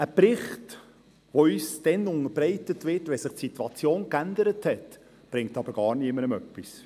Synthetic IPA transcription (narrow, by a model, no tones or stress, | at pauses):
əprɪχt | ʋoyːsd̥ɛnʊŋəɾbɾɛɪtətʋɪtʋɛsɪχtsitwɑt͡sjoːnkænd̪əɾəthɛt | b̥ɾɪŋtɑbəɾɡ̥ɑːɾniəmənəmœpːis